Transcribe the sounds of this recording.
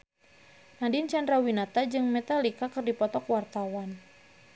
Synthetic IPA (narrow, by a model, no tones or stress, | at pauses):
nadint͡ʃandɾawinat̪ad͡ʒɨŋmɛt̪alikakɨrdipɔt̪ɔkwart̪awan